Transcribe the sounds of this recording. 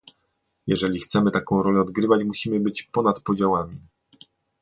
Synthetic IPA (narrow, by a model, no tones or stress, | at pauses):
jɛʐɛlʲixt̪sɛmɘt̪akɔ̃w̃ɾɔlɛɔd̪ɡɾɘvat͡ɕmuɕimɘbɘt͡ɕpɔnat̪pɔd͡ʑawamʲi